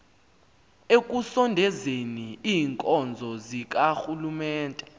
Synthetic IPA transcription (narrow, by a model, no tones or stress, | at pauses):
ek̬ʼusɔndʱɛzeniiːŋkʼɔnd͡zʱɔzik̬axulumɛːntʼɛ